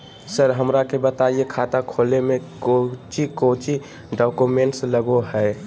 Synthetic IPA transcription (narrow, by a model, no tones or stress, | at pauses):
səɾɦəmɾakebət̪aiekʰaːt̪akʰoːlemẽkot͡ʃikot͡ʃi | ɖɔːkumẽɳʈsləɡoɦɛɪ